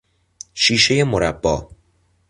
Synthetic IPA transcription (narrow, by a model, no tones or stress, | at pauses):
ʃiːʃe̞je̞moɾæbːɒː